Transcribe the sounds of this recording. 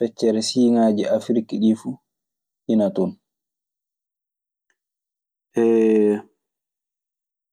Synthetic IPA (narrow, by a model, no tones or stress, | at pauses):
fɛt͡ʃːɛɾɛsiːŋaːd͡ʒiʔafɾikiɗifuː | ʔinatɔn | ʔɛː